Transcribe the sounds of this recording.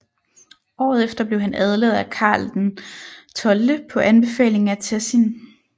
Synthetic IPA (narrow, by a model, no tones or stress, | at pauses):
ʔɒ̰ːð̩ˠefd̥ɐb̥leʊɦænæð̞ˠlḛð̞̩ˠækʰɑ̰̈ːld̥nt͡sʰɒ̽ləpʰɒ̽ʔænb̥e̝fɛ̰ːle̝ŋŋ̩æt͡sʰesin